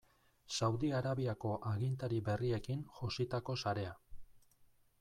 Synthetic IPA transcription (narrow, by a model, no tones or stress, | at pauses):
sawðiaɾaβiako̞ʔaɣint̪aɾiβe̞rie̞kinʝosit̪ako̞saɾe̞a